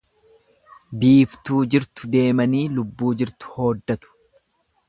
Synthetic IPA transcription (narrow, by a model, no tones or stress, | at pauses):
biːft̪uːd͡ʒɪɾt̪ʊd̪e̞ːmɐniːlʊbːuːd͡ʒɪɾt̪ʊ̥ho̞ːd̪ːɐt̪ʊ̥